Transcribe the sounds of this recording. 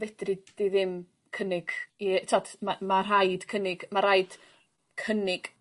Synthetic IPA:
vɛd̥rɪd̥iðɪm | kʰənɪɡ̥itʰadmamar̥ajd̥kʰənɪɡ̥maɾajd̥ | kʰənɪɡ̥

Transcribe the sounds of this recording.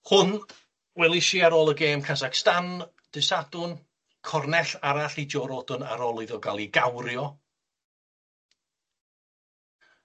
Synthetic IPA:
hʊn | wɛlˠɪʃiaɾoːlˠəɡeːmkʰasakstan | d̥ɨsadʊn | kʰɔrnɛɬaɾaɬid͡ʒɔɾɔdʊna̰ɾoːlˠɔðɔɡalˠiɡawɾjɔ

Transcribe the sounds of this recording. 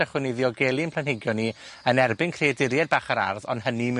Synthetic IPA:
aχwɪnɨðjɔɡelˠinpʰlˠanhɪɡjɔni | ənɛrbɪnkʰredɪɾjɛd̚baːχaɾa̰rðɔ̰nɦənim

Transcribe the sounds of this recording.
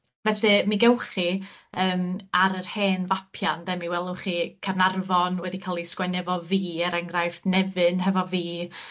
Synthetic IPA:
vɛθɨmiɡɛwχiəːmaɾərheːnvapʰjandɛmiwɛlˠʊχikʰarnarvɔnwɛðikʰalˠiskwɛnɛvɔviːəɾɛŋɡrajfnɛvɨnɦɛvɔviː

